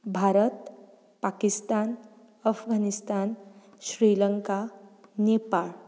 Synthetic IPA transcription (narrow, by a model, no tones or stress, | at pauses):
bʱaɾət̪ | pakist̪an | əfɡʱanist̪an | ɕɾiləŋkanepaɭ